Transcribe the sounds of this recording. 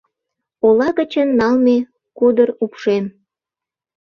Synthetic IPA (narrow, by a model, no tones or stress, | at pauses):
olɑɣət͡ɕənːɑlme | kud̪ərupʃem